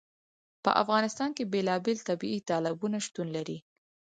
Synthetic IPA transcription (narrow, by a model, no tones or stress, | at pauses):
pə̰ʔa̰fɣɑnɪst̪ɑnkebelɑbelt̪abiit̪ɑlɪbunaʃt̪unlaɾi